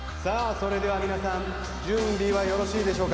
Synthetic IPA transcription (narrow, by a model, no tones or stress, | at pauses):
saːso̞ɾe̞d̪e̞β̞amʲinasãn | d͡ʑɨ̃nɾʲiβajo̞ɾo̞ɕiːd̪e̞ɕo̞ːka